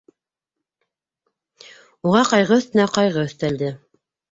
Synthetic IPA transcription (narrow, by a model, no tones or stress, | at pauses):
uʁɑqɑjʁɤɵ̆θt̪ɘ̆næqɑjʁɤɵ̆θt̪æld̪ɘ